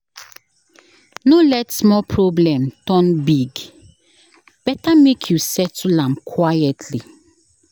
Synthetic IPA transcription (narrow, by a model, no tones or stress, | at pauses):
nolɛtsmɔpʰɹɔblɛ̃mtɔ̃nbiɡ | b̥ɛtamekʰjusɛtulãmkʰwajɛtʰli